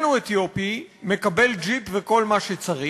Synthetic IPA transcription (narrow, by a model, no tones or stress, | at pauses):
nuet̪jopime̞kabe̞ld͡ʒipveko̞lmaʃet͡saʁi